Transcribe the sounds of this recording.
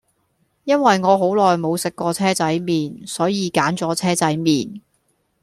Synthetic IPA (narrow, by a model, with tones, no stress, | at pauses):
jɐ˥nwɐ˨jŋɔː˨˧ɦo˨˥wlɔː˨jmo˨˧wsɪ˨kːɔː˧t͡sʰɛː˥t͡sɐ˨˥jmiː˨nsɔː˨˥jiː˨˧kaː˨˥nt͡sɔː˨˥t͡sʰɛː˥t͡sɐ˨˥jmiː˨n